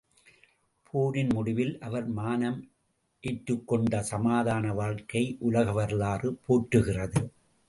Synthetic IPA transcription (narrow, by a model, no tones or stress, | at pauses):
pʰuːnɪnmʊɽɪʋɪlʔɐʋɐɾmaːnɐm | ʔeːʈːɯkːɔɳɖɐsɐmaːðaːnɐʋaːɻkɐɪʔʊlɐɣɐʋɐɾɯlaːrɯpoːʈɾɯɣɪrɐðɯ